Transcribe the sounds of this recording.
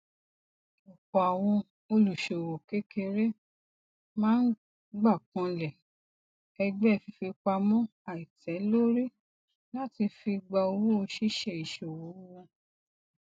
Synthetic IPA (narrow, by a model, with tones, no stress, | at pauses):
ɔ˨kɔ˨a˨w̃ɔ̃˧ | o˧lu˨ʃo˨wo˨ke˦kʰe˧ɾe˦ | mãː˦n̩˦ | ɡ͡ba˦˨kɔ̃˧˦lɛ˨ | ɛ˧ɡ͡bɛ˦˨fi˧fi˧k͡pa˧mɔ̃˦a˨i˨tʰɛ˨˦lo˦ɾi˦ | la˦ti˧fi˧ɡ͡ba˧o˧wu˦o˧ʃi˦ʃe˧˨i˨ʃo˨wo˨˦wɔ̃˧